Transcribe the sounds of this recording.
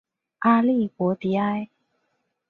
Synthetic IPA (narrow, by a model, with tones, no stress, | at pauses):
ʔa˧li˥˧˨kwɔ˨˧˦t̪i˨˦a˧j